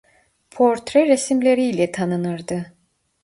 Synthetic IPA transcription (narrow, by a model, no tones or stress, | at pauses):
pʰo̞ɾt̪ɾɛɾesimlʲeɾiːlʲɛt̪ʰanɯnɯɾd̪ɯ